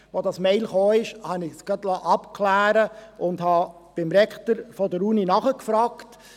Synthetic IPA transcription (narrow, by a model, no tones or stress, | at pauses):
ʋodɑsmɛɪlχoːɪʃhɑnɪsɡ̥ɑtlɑːʔɑpkʰlæːɾəʔʊndhɑː | b̥ɪmɾɛktəɾfɔdəɾuninɑχəkfɾɑːkt